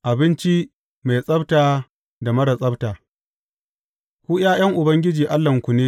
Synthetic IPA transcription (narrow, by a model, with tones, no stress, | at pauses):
ʔa˨bɪ˦nt͡ʃi˦ | ma˨jsʼɐ˦btaː˨ | da˨mɐ˦ɽɐ˨sʼɐ˦btaː˨ | kʷuː˦j̰aː˦j̰ɐ˦ŋʔʊ˨bɐ˦ŋɡʲɪ˦d͡ʒiː˨ʔa˦lːɐ˨ŋkʷʊ˨neː˦